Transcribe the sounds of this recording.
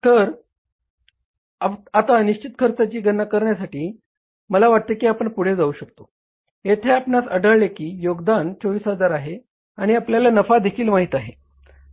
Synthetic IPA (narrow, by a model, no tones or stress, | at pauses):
t̪əɾ | aat̪aniɕt͡ɕit̪kʰəɾt͡sat͡ɕiːɡənːakəɾɳjasaʈiː | məlaʋaʈ̚t̪ekiapəɳpuɽ̤ed͡zauːɕəkt̪o | et̪ʰeapnasəɽəɭlekiːjoɡd̪ant͡soʋiːsɦəd͡zaɾaɦe | aɽ̃iapljalanəfad̪ekʰiːlmaɦit̪aɦe